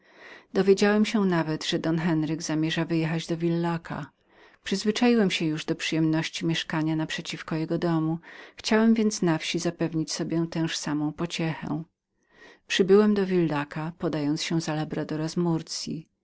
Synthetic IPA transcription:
d̪̥ɔvʲjed͡ʑawɛmɕɛnavɛt̪ʐ̥ɛd̪ɔnxɛnɾɘɡzamʲjɛʐavɘjɛxad͡ʑd̪ɔvʲilːakʰa̰ | pʂɘzvɘt͡ʂajiwɛmɕɛ̃juʐd̪ɔpʂɨjɛmnɔɕt͡ɕimʲɛʂkaɲanapʂɛt͡ɕifkɔjɛɡɔd̪ɔmuxt͡ɕawɛmvʲjɛnt̪snafɕizapɛvɲit͡ɕsɔbʲjɛt̪ɛ̃w̃ʂsamɔ̃w̃pɔt͡ɕɛxɛ̰̃ | pʂɘbɘwɛmd̪ɔvʲilːakapɔd̪ajɔnt̪sɕɛzalabɾad̪ɔɾazmuɾt̪sʲjḭ

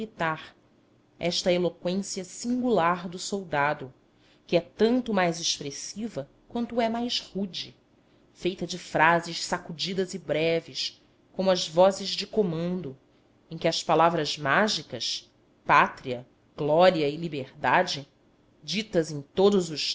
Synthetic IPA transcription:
lit̪aɾ | ɛʃt̪ɐelokwẽsiɐsĩŋɡulaɾd̪ʊsowd̪ad̪ʊ | kɪɛt̪ɐ̃nt̪ʊmajzeʃpɾesivɐ | kwɐ̃nt̪ʊɛmajʃhud͡ʒi | fejt̪ɐd͡ʒɪfɾazɪʃsakud͡ʒid̪ɐzibɾɛvɪs | kõmʊɐzvɔzɪzd͡ʒɪkomɐ̃nd̪ʊ | ẽj̃kʲɪɐspalavɾɐzmaʒikɐs | pat̪ɾiɐ | ɡ̥lɔɾiɐɪlibeɾd̪ad͡ʒɪ | d͡ʒit̪ɐzẽt̪od̪ʊzʊʃ

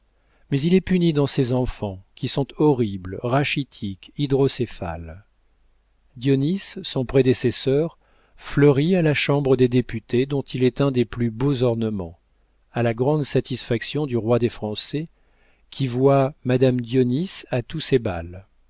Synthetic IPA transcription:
mɛzilɛpynid̪ɑ̃sɛzɑ̃fɑ̃kʲisɔ̃t̪ɔʁiblʁaʃit̪ʰikid̪ʁɔsefa̰l | d̪jɔnisːɔ̃pχed̪esɛsœʁ | flœʁialaʃɑ̃bʁəd̪ed̪epyt̪ed̪ɔ̃t̪ʰilɛt̪ɛ̃d̪eplybozɔʁnəmɑ̰̃ | alaɡʁɑ̃d̪sat̪isfaksjɔ̃d̪yʁwad̪efχɑ̃sɛ | kʲʰivwamad̪amd̪jɔnisat̪usɛba̰l

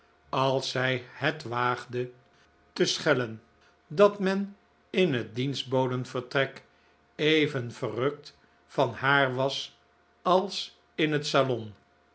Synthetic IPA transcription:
ɑlˠsɛjhətʋaːχdə | təsχɛlən | dɑtmɛn | ɪnɦət̚dinzd̚bowdənv̥əɹtrɛk | ejvənvərɵk̚t | fɑnɦaːɹʋɑs | ɑlˠs | ɪnɦətsalɔn

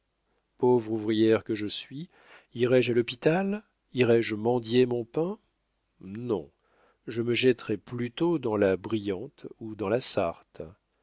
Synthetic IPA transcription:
povʁuvʁijɛʁkəʒəsɥi | iʁɛʒalɔpit̪al | iʁɛʒmɑ̃d̪jemɔ̃pɛ̃ | nɔ̰̃ | ʒəməʒɛt̪ʁɛplyt̪od̪ɑ̃labʁijɑ̃t̪ud̪ɑ̃lasaʁt̪

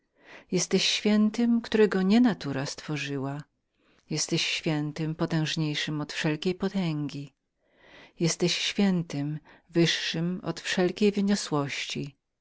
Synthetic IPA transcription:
jɛst̪ɛɕːfʲjɛnt̪ɘmkt̪uɾɛɡɔɲɛnat̪uɾast̪fɔʐɘwa | jɛst̪ɛɕɕfʲjɛnt̪ɪmpɔt̪ɛ̃w̃ʐɲejʂɘmɔt̪fʂɛlkʲejpɔt̪ɛŋɡʲi | jɛst̪ɛɕɕfʲjɛnt̪ɪmvɘʂːɘmɔ̰t̪fʂɛlkʲejvɘɲɔswɔɕt͡ɕi

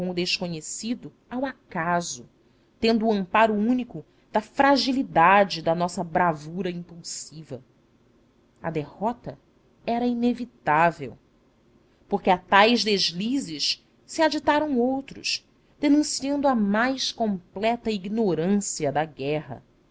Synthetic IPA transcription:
kõʊd̪eʃkoɲesid̪ʊ | awakazʊ | t̪ẽnd̪ʊːɐ̃mpaɾʊũnikʊ | d̪̥ɐfɾaʒilid̪ad͡ʒɪd̪ɐnɔsɐbɾavuɾɐĩmpuwsivɐ | ɐ̰d̪ehɔt̪ɐ | ɛɾɐinevit̪avḛw | poɾkɪat̪ajzd̪eʒlizɪʃ | siad͡ʒit̪aɾɐ̃w̃owt̪ɾʊ̰ʃ | d̪̥enũsiɐ̃nd̪uɐmajʃkõmplɛt̪ɐiɡnoɾɐ̃siɐd̪ɐɡɛɦɐ̰

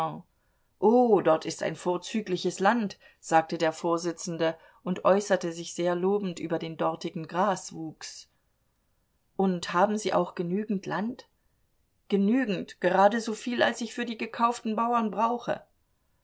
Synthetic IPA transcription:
ʔoːdɔɐtɪsta̰ɪnfoːɐt͡syːklɪçəslant | z̥aːk̚tədeːɐfoːɐzɪt͡sn̩də | ʔʊntʔɔʏsɐtəzɪçz̥eːɐloːbn̩tʔy̰ːbɐdeːndɔɐtɪɡŋ̩ɡʁaːsv̥uːks | ʔʊnthaːbm̩ziːʔa̰ʊxɡ̥ənyːɡŋ̩tlant | ɡ̥ənyːɡŋ̩tɡ̥əʁaːdəzoːfiːla̰lsɪçfyːɐdiːɡəkʰaʊftn̩baʊɐnbʁaʊxə̰

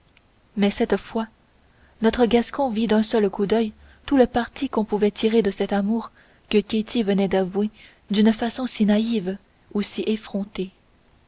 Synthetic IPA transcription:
mɛsɛt̪fwa | nɔt̪χəɡaskɔ̃vid̪ɛ̃sœlkud̪œj | t̪uləpaʁt̪ʰikɔ̃puvɛt̪ʰiʁed̪əsɛt̪amuːʁ | kəkʲet̪ʰivənɛd̪avwe | d̪ynfasɔ̃sinaiv | usiʔefχɔ̃t̪e

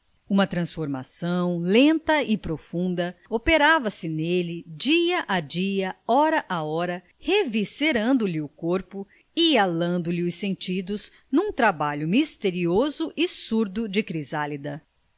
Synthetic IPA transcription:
ũmɐt̪ɾɐ̃sfoɾma̰sɐ̃w̃lẽnt̪ɐɪpɾofũnd̪ɐopeɾavɐsɪnelɪd͡ʒiɐʔad͡ʒiɐɔɾɐʔaɔɾɐ | heviseɾɐ̃nd̪ʊlɪʊkoɾpʊ | ɪalɐ̃nd̪ʊlɪʊsẽnt͡ʃid̪ʊz | nũt̪ɾabaʎʊmist̪eɾiozʊʔɪsuɾd̪ʊd͡ʒɪkɾizalid̪ɐ

